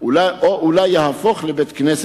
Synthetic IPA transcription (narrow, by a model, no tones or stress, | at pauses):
laoʔulajːahafoχlebet̪knes